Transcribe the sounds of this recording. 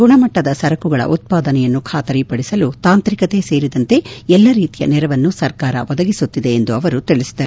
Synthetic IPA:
ɡuɳɐmɐʈːɐd̪ɐsɐɾɐkuɡɐɭɐ̰ʔut̪̚paːd̪ɐnɛjɐnːukʰaːt̪ɐɾipɐɽisɐlut̪aːnt̪ɾikɐt̪e̞se̞ːɾid̪ɐnt̪e̞ɛlːɐɾiːt̪ijɐ̰nɛɾɐʋɐnːusɐɾkaːɾɐ̰ʋɔd̪ɐɡisut̪ːid̪e̞ːnd̪uɐʋɐɾut̪iɭisi̥d̪ɐɾu

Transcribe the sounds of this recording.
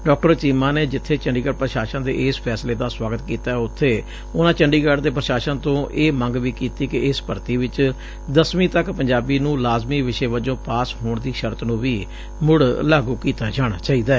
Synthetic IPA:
ɖɔːkʈəɾt͡ʃiːmãːneːd͡ʒɪt̪ʰːeːt͡ʃəɳɖiːɡəːɖpɾəʃaːʃə̃nd̪ḛːʔeːspʰɛːsleːd̪aːswaːɡət̪kiːt̪aːɛʊt̪ʰːeː | ʊnãːt͡ʃəɳɖiːɡaːɖd̪eːpɾəʃaːʃənt̪õːʔeːmə̃ŋɡʋiːkiːt̪iːkɪɪspəɾt̪iːʋɪt͡ʃ | d̪əsʋĩːt̪əkpəɲd͡ʒaːbiːnũːlaːzmiːʋɪʃeːʋəd͡ʒõːpaːsɦoːɳd̪iːʃəɾt̪nũːʋiː | mʊɽlaːɡuːkiːt̪aːd͡ʒaːɽ̃aːt͡ʃaːiːd̪aː

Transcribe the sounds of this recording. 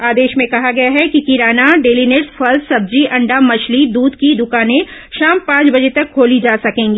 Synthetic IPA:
aːd̪eːʃmẽkɐɦaɡɐjaɦɛkikiɾaːnaɖeːlineʈsfʰɐlsɐb̚d͡ʒiʔɐ̃ɳɖamɐt͡ʃlid̪uːd̪kid̪ʊkaːnẽʃaːmpãːt͡ʃbɐd͡ʒet̪ɐkʰːoːlid͡ʒaːsɐkẽːŋɡiː

